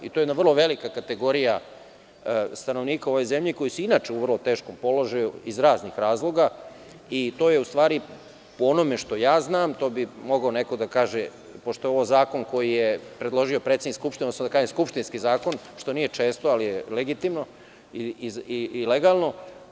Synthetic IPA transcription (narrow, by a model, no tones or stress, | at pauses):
it̪o̞jed̪naʋrlˠo̞ʋe̞likakat̪eɡo̞ɾija | st̪ano̞ʋniːkao̞ʋo̞jzemʎiko̞jisinaːt͡ʃeuʋrlˠo̞t̪e̞ːʃkompo̞lo̞ʒajuizɾaːznixɾaːzlˠo̞ɡa | it̪o̞jeust̪ʋaːɾi | poonomeʃt̪o̞jaːznaːmt̪o̞ːbimo̞ɡaonekod̪akaːʒe | poʃt̪o̞jeoozaːko̞nko̞jijepɾed̪lˠo̞ʒio̞pɾet̪sed̪nikskupʃt̪inɛsad̪akaːʒeskupʃt̪inskizaːkon | ʃt̪o̞nijet͡ʂeːst̪oalijeleɡit̪imno̞ | iiiileɡaːlˠno̞